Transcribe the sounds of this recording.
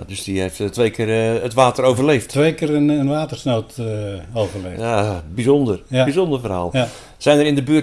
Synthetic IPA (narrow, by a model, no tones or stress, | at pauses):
adøsdiefttʋejkʰɪːrətʋaːtəroːvərleːfttʋejkɪːɾəənʋaːtərsnoːtoːvərlejaːbizɔndərbizondərfəra̰ːlˠ | sɛjnəɾɪndəbyː